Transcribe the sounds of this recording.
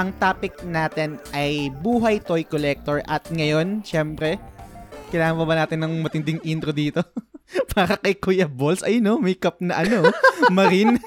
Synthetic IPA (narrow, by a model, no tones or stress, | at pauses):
ʔɐŋt̪aːpɪk̚naːt̪ɛnʔɐjbuːɦɐjt̪ojkolɛk̚t̪oɹʔɐt̪̚ŋɐjo̞nʃɛmpɾɛ | kɐjlaːŋɐnpɐbɐnaːt̪ɪnːɐŋmɐt̪ɪnd̪ɪŋʔint̪ɾod̪iːt̪o̞pʰaːɾɐkɐjkujɐbolsʔɐjnomɐjkɐp̚nɐʔɐnomɐɾin